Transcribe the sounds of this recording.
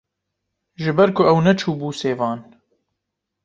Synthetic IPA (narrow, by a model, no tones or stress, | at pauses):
ʒɨbɛɾkʰʊɛwnɛt͡ʃʰuːbuːseːvɑːn